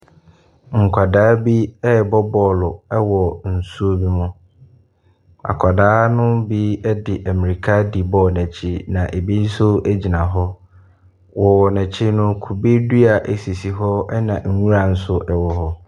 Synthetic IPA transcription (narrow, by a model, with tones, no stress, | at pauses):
ŋ̩˨kʷʰa˨daː˨˦bi˦ɛ˦bɔ˦bɔː˦lʊ˨ɛ˦wɔ˨n̩˨su˦o˦bi˦mʊ̃˦ | a̰˨kʰa˨daː˦nʊ̃˦bi˦ɛ˦dɪ˨ʔæ˨mi˨ɾi˨kʰa˦di˨bɔː˦˨næ̃˨t͡ɕʰi˦nã˨ʔe˨bi˦n̩˦sʊ˦æ˦d͡ʑi˨nã˨ɦɔ˦ | wʔɔ˨wɔ˨næ̃˨t͡ɕʰi˦nʊ̃˦kʰu˨bi˦du˦a˨ʔæ˨si˨si˨ɦɔ˦ɛ˦nã˨ŋ̩˨ŋũ˦ɾa˨n̩˦sʊ˦ʔɛ˦wɔ˦ɦɔ˦